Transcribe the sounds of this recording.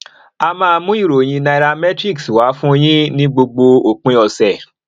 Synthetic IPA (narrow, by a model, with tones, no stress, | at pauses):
a˧mãː˦˧mũ˦i˦˨ɾo˨j̃ĩ˧na˧i˧ɾa˧mɛ˦tɾi˦˨kswa˨˦fũ˦j̃ĩ˦nĩ˦ɡ͡bo˧ɡ͡bo˧o˨k͡pĩ˧˦ɔ˧˨sɛ˨